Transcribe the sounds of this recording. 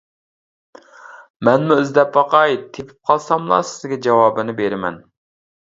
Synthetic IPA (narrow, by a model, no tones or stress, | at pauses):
mɛnmuøzd̪ɛpwɑqɑjt̪ʰepʰy̥p̚qʰɑlˠsɑmlˠɑ̰sɪzɡʲɛd͡ʒɑwɑːbɨnɨbeɾɪmɛ̰n